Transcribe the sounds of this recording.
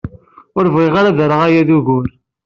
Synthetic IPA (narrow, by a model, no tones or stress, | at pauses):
ʊɾvʁiʁaɾaðəɾˤəʁajæðuɣʊɾ